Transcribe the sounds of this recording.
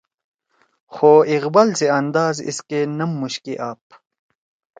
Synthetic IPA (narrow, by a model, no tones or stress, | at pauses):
xoːiɣbɐlseɐnd̪aːzḭskenɐmːuɕkeʔaːp̚